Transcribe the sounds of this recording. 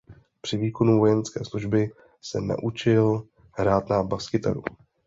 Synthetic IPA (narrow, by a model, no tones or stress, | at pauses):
pr̝̥ɪviːko̞nuvo̞jɛnskɛːsluʒbɪ | sɛ̰na̰ʔut͡ʃɪl | ɦɾaːt̪nabaskɪt̪a̰dṵ